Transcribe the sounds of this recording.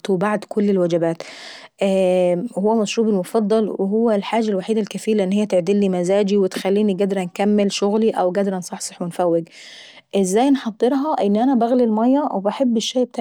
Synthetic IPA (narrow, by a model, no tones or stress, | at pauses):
t̪wbaʕd̪kʊlːelwæd͡ʒæbæːt̪ | ʔ | howːæmæʃɾuːbɪlmʊfɑd̪ˤːɑlweɦowːælħaːd͡ʒælwaħiːd̪ælkæfiːɾlʔenːhejːæt̪eʕd̪ilːimæzaːd͡ʒiwɪt̪xælːiːniɡæd̪ɾˤɑnkæmːɪlʃoɣliʔæwɡæd̪ɾˤɑnsˤɑħsˤɑħwenfæwːɪɡ | ʔɪzːæːjnħɑd̪ˤːɨɾˤɦɑʔɪnːʔænæbæɣlilmɑjːɑwebaħebːɪʃːæːb̚t̪aː